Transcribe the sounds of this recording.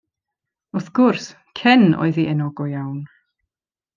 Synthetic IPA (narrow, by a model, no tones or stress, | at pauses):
ʊθɡ̥ʊrs | kʰɛnɔ̰ɨðiʔɛnɔɡɔjawn